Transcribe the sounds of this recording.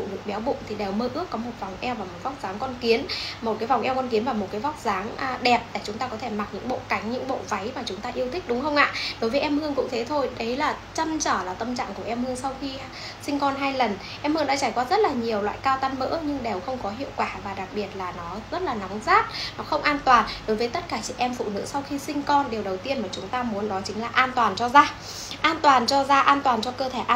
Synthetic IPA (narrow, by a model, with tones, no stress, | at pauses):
ṵ˧˨ɗɨ˨˩ək̚ɓɛ˨˦wɓṵ˧˨ŋ͡mt̪ʰi˨˩ɗe˨˩wməː˧ʔɨ˦˥əkːɔ˨˦mo˨˩t̚va˨˩wŋ͡mʔɛ˧wvaː˨˩mo˨˩t̚va˦˥wk͡p̚zaː˨˦ŋkɔ˧nki˨˦ənmo˨˩t̚kaː˨˦jva˨˩wʔɛ˧wkɔ˧nki˨˦ənvaː˨˩mo˨˩t̚kaː˨˦jva˦˥wk͡p̚zaː˨˦ŋ˧ɗɛ˨˩p̚ɗa˨˧˩t͡ɕʊ˨˦ŋ͡mt̪aː˧kɔ˨˦t̪ʰe˧˩ma˨˩t̚ɲɨ̰˧˥ŋɓo̰˧˨ka˨˦jŋ̟ɲɨ̰˧˥ŋɓo̰˧˨va˨˦jmaː˨˩t͡ɕʊ˨˦ŋ͡mt̪aː˧ʔi˧əwt̪ʰi˦˥k̟̚ɗʊ˨˦ŋ͡mxə˧wŋ͡mʔa̰ː˧˨ɗo˨˦jvəː˨˦ʔɛ˧mhɨ˧əŋkʊ̰˧˥ŋ͡mt̪ʰe˨˦t̪ʰo˧jɗə˨˦jlaː˨˩t͡ɕə˧mt͡ɕəː˧˩laː˨˩t̪ə˧mt͡ɕa̰ː˧˨ŋku˧˩əʔɛ˧mhɨ˧əŋsa˧wxi˧ | sï˧ŋ̟kɔ˧nɦaː˧jlə˨˩n | ʔɛ˧mhɨ˧əŋɗa̰˧˦t͡ɕaː˧˩jkwaː˧zə˦˥t̚laː˨˩ɲi˨˩əwlwa̰ː˧˨jkaː˧wt̪a˧nmə̰ː˧˥ɲɨ˧ŋɗe˨˩wxə˧wŋ͡mkɔ˨˦ɦḭ˧˨əwkwaː˧˩vaː˨˩ɗa˨˩k̚ɓi˨˩ət̚laː˨˩nɔ˨˦zə˦˥t̚laː˨˩na˨˦ŋ͡mzaː˦˥t̚nɔ˨˦xə˧wŋ͡mʔaː˧nt̪waː˨˩nɗo˨˦jvəː˨˦jt̪ə˦˥t̚kaː˧˩t͡ɕḭ˧˩ʔɛ˧mfṵ˧˨nɨ̰˧˥sa˧wxi˧sï˧ŋ̟kɔ˧nɗe˨˩wɗə˨˩wt̪i˧ənmaː˨˩t͡ɕʊ˨˦ŋ͡mt̪aː˧mu˨˦ənɗɔ˨˦t͡ɕï˨˦ŋ̟laː˨˩ʔaː˧nt̪waː˨˩nt͡ɕɔ˧zaː˧ | ʔaː˧nt̪waː˨˩nt͡ɕɔ˧zaː˧ʔaː˧nt̪waː˨˩nt͡ɕɔ˧kəː˧t̪ʰe˧˩ʔ